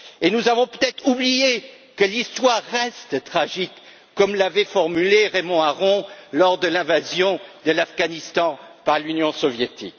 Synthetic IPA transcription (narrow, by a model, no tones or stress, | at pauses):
enuzavɔ̃pøt̪ɛt̪χublije | kəlist̪waʁːɛst̪t̪χaʒikː | ɔmlavɛfɔʁmyleʁemɔ̃aʁɔ̃lɔʁd̪əlɛ̃vazjɔ̃d̪əlafɡanist̪ɑ̃paʁlynjɔ̃sɔvjet̪ḭk